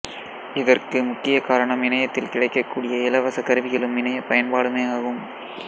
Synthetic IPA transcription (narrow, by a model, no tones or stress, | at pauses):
ɪðɐrkɯmʊkːɪjɐkaːɾɐɳɐmɪnɐjɐt̪ːɪlkɪɽɐɪkːɐkːuːɽɪjɐɪlɐʋɐsɐkɐɾɯʋɪɣɐɭɯmɪnɐjɐpɐjɐnpaːɽɯmeːaːɣɯm